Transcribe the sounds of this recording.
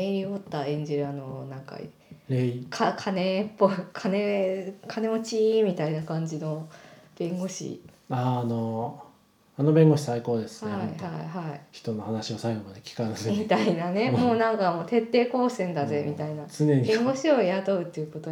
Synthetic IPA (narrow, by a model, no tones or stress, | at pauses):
eɾʲio̞t̪ːaẽ̞ɲ̟d͡ʑiɾɯano̞nãŋka̰ḭ | ekʰakʰane̞pːo̞ikʰane̞kʰane̞mot͡ɕimʲit̪ainakãɲ̟d͡ʑino̞b̥ẽ̞ŋɡo̞ɕḭ | ano | ano̞bẽ̞ŋɡo̞ɕi̥saiko̞ːd̪esɨ̥hnaeihaiɦaiçi̥t̪o̞no̞hanaɕiosaiɡo̞mad̪e̞kʲi̥kanasmit̪ainane̞moːnãŋkamo̞ːt̪e̞t̪ːe̞ːko̞ːsẽ̞nd̪aze̞mʲit̪ainat͡sɨne̞ɲ̟iẽŋɡo̞ɕio̞jat̪o̞ɯ̟t̪ːeɯ̟ko̞t̪o